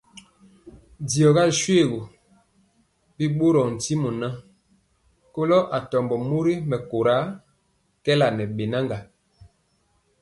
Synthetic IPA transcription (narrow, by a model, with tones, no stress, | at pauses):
di˨ɔ˨ɣa˦ʃwe˦˨ɣo˨ | bi˦ɓo˦ɾɔ˨n̩˨ti˦mu˨na˦ | ko˦lɔ˦ʔa˨tɔ˨mbɔ˨mu˦ɾi˦mɛ˨ko˨ɾa˨˦ | kɛ˦la˨nɛ˨ɓe˨na˦ŋɡa˨